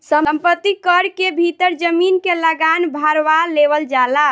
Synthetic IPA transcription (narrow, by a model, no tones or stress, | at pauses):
səmpət̪ːikəɾkebʱit̪əɾd͡ʒəminkeləɡanbʱaɾʋaleβəld͡ʒala